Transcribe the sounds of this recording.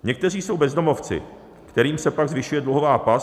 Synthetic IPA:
ɲɛk̚t̪ɛr̝iːso̞wbɛzdomo̞ft͡sɪ̰ | kt̪ɛɾiːmsɛpaɡzvɪʃujɛdluɦovaːpa

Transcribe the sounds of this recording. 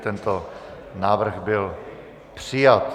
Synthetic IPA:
t̪ɛnt̪o | naːvr̩ɣbɪl | pr̝̥ijat̪

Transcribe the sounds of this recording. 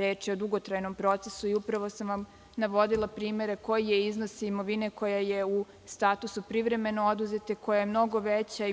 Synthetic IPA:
ɾeːt͡ʃiod̪uɡo̞t̪ɾajno̞mpɾo̞t̪sesuiupɾaʋo̞samʋam | naʋo̞d̪ilˠapɾiːme̞ɾeko̞jijeizno̞simo̞ʋine̞ko̞jaje̞u | st̪aːt̪usupɾiʋɾe̞me̞nood̪uze̞t̪eko̞jajemno̞ɡo̞ʋet͡ɕai

